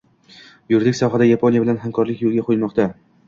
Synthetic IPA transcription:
jʊɾd̪ɪkʲsɒɦad̪ajapʰonijabɪlanɦamkʰɒɾlɪkʲjolˠɡʲaqʰojlmɒqt̪a

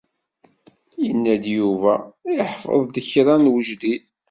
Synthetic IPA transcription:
jənːæd̪juvæɪħfə̰ðˤd̪əçɾˤænwəʒd̪id

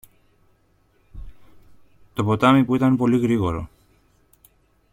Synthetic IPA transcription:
t̪o̞po̞t̪ɐmipuit̪ɐnpo̞liɣɾiɣo̞ɾo̞̰

